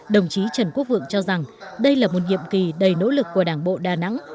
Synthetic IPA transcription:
ɗə˨˩wŋ͡mt͡ɕi˨˦t͡ɕə˨˩nku˦˥k̚vɨ̰˧˨əŋt͡ɕɔ˧za˨˩ŋɗə˧jlaː˨˩mo˨˩t̚ŋḭ˧˨əmki˨˩ɗə˨˩jno̰˧˥lɨ˨˩kːu˧˩əɗaː˧˩ŋɓo̰˧˨ɗaː˨˩na̰˧˥ŋ

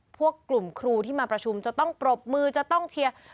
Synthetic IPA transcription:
pʰu˥˩əkːlu˨˩mkʰɾuː˧t̪ʰiː˥˩maː˧pɾa˧t͡ɕʰu˧mt͡ɕa˨˩t̪ɔ˥˩ŋpɾo˨˩p̚mɯː˧t͡ɕa˨˩t̪ɔ˥˩ŋt͡ɕʰi˧ɐ

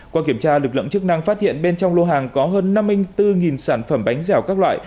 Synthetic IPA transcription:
kwaː˧ki˧˩əmt͡ɕaː˧lɨ˨˩k̚lɨ̰˧˨ŋt͡ɕɨ˦˥k̚na˧ŋfaː˦˥t̚hḭ˧˨ənɓe˧nt͡ɕɔ˧wŋ͡mlo˧ɦaː˨˩ŋkɔ˨˦ɦəː˧nːa˧mːi˧ŋt̪ɨ˧ŋi˨˩nsaː˧˩nfə˧˩mɓa˨˦jŋ̟zɛ˧˩wkaː˦˥k̚lwa̰ː˧˨j

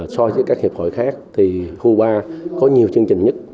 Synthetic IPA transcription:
sɔ˧zə̰˨˦kaː˦˥k̚hi˨˩əp̚ho̰˧˩jxaː˦˥k̚t̪ʰi˨˩hu˧ɓaː˧kɔ˨˦ɲi˨˩əwt͡ɕɨ˧əŋt͡ɕï˨˩ŋ̟ɲə˦˥t̚

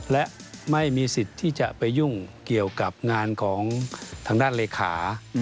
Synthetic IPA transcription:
lɛ˦˥ʔma˥˩jmiː˧si˨˩t̪ʰːiː˥˩t͡ɕa˨˩ʔpa˧jːu˥˩ŋki˨˩əwka˨˩p̚ŋaː˧nkʰɔː˩˦ŋt̪ʰaː˧ŋdaː˥˩nleː˧kʰa̰ː˩˦

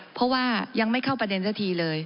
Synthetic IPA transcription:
pʰɔ˦˥ʔwaː˥˩ja˧ŋma˥˩jkʰa˥˩wpɾa˧de˧nsaː˥˩t̪ʰiː˧lɤː˧j

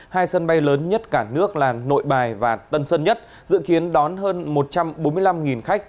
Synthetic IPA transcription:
haː˧jsə˧nɓa˧jləː˨˦nɲə˦˥t̚kaː˧˩nɨ˦˥ək̚laː˨˩no̰˧˨jɓaː˨˩jvaː˨˩t̪ə˧nsə˧nɲə˦˥t̚ | zɨ̰˧˨ki˨˦ənɗɔ˨˦nɦəː˧nmo˨˩t̚t͡ɕa˧mɓo˨˦mɨ˧əjla˧mŋi˨˩nxa˦˥jk̚

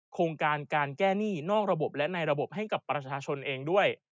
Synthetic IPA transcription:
kʰoː˧ŋkaː˧nkaː˧nkɛː˥˩niː˥˩nɔː˥˩k̚ɾa˧bo˨˩p̚lɛ˦˥na˧jɾa˧bo˨˩p̚ɦa˥˩jka˨˩pːɾa˧t͡ɕʰaː˧t͡ɕʰo˧nʔeː˧ŋdu˥˩əj

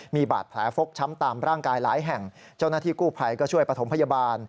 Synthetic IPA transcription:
miː˧ba̰ː˨˩t̪̚pʰlɛː˩˦fo˦˥k̚t͡ɕʰa˦˥mt̪aː˨˧mɾaː˥˩ŋkaː˧jlaː˩˦jɦɛ˨˩ŋ | t͡ɕa˥˩wnaː˥˩t̪ʰiː˥˩kuː˥˩pʰa˧jkɔː˥˩t͡ɕʰu˥˩əjpɾa˧t̪ʰo˩˦mpʰa˧jaː˧baː˧n

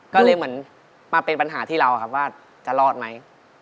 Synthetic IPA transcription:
kɔː˥˩lɤː˧jmɯ˩˦ən | maː˧pe˧npa˧nɦaː˩˦t̪ʰiː˥˩ɾa˧wkʰa˦˥p̚waː˥˩ | t͡ɕa˨˩lɔː˥˩t̪̚ma˦˥j

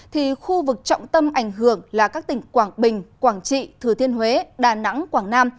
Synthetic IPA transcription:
t̪ʰi˨˩xu˧vɨ˨˩k̚t͡ɕɔ̰˧˨wŋ͡mt̪ə˧mʔa˧˩jŋ̟ɦɨ˧˩əŋlaː˨˩kaː˦˥k̚t̪ï˨˩ŋ̟kwaː˧˩ŋɓï˨˩ŋ̟kwaː˧˩ŋt͡ɕḭ˧˨t̪ʰɨ˨˩t̪ʰi˧ənɦwe˨˦ɗaː˨˩na̰˧˥ŋkwaː˧˩ŋnaː˧m

